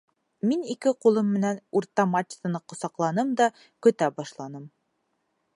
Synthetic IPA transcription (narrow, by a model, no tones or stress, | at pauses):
minikɘqulˠɤmːɘ̆nænuɾt̪ɑmat͡ʃt̪ɤ̆nɤqŏsɑqlˠɑnɤmd̪ɑ | kɵ̆t̪æbɑʃlˠɑnɤm